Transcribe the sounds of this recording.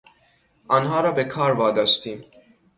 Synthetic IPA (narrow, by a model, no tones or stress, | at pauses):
ʔɒːnɦɒːɾɒːbekʰɒːɾvɒːd̪ɒst̪iːm